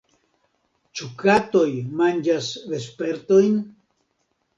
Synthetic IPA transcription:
t͡ʃukat̪ojmand͡ʒasd̪espe̞ɾt̪ojn

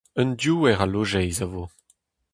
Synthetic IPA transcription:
əndjuɛʁaloʒɛjzavo

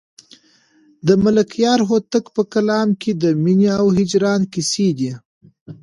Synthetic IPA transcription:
d̪əmʊlakjɑɾɦot̪əkpəkalɑmkʰed̪əminiawɦɪd͡ʒɾɑnkised̪i

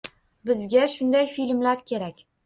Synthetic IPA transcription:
bɪzɡʲaʃʊnd̪ajfilmlaɾkʲʰe̞ɾakʲ

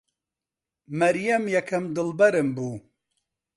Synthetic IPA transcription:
mɐɾjɛmjɛkʰɨmd̪ɨlbɛɾɨmbuː

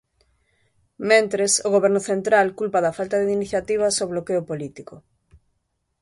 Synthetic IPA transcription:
mẽnt̪ɾesoɣoβɛɾnʊθent̪ɾalkulpaðɐfalt̪ɐðeiniθjat̪iβ̞ɐsoβlokeʊpolit̪ikʊ

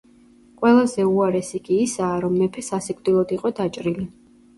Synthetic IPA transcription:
qʼwɛlˠazɛuaɾɛsiɡʼiːsaːɾɔmːɛpʰɛsasikʼvd̪̥ilˠɔd̪iqʼɔd̪at͡ʃʼɾili

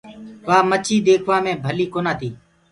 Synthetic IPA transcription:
ʋaːmət͡ʃʰiːd̪eːkʰʋaːmẽːbʱəliːkoːnaːt̪ʰiː

